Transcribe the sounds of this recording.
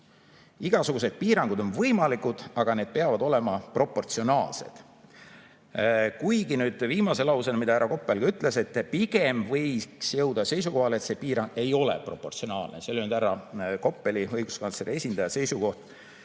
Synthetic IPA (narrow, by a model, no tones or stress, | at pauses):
iɡ̥ɑsuɡ̥use̞d̪̥̚piːɾɑŋɡ̥ud̪̥o̞nvɤjmɑlikud̪̥ɑɡ̥ɑned̪̚pe̞ɑvɑd̪o̞le̞mɑpro̞pːˑo̞rt̪sio̞nɑːlse̞̰d̪̥ | kujɡinyːd̪̥viːmɑse̞lɑwsenmid̪̥ɑæɾɑko̞pːˑelɡ̥ɑyt̪ˑle̞se̞t̪ːpiɡ̥e̞mvɤjksjɤ̞wd̪ɑse̞js̬uko̞ɦɑlet̪se̞piːɾɑŋɡ̥e̞jo̞le̞̰pro̞pːˑo̞rt̪sio̞nɑːlneseolʲnyd̪æɾɑko̞pˑːe̞liɤjɡ̥uskɑnsleɾie̞sʲind̪ɑjɑse̞jsuko̞ht̪